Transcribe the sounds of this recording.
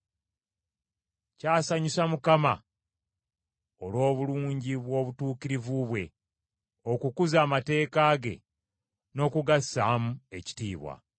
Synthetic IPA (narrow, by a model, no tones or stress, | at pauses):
caːsaɲusamukama̰ | olwo̞ːβuluːɲɟiβwo̞βutuːkiɾivuβwe̞ | o̞kukuzaːmate̞ːkaːɡe̞̰ | no̞ːkuɡasːaːmue̞ci̥tiːβwa̰